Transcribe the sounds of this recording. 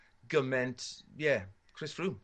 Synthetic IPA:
ɡʌmɛ̃ntjɛ | kʰɹ̥ɪsfɹu

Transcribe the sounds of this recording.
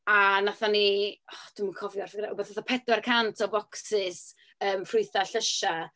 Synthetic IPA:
anaθaniɔd̥ɪmnkʰɔvjɔrfɡraubaθnaθɔpʰɛdwarkʰantʰɔbɔksɪs | əːmfrʊɨθaɬəʃa

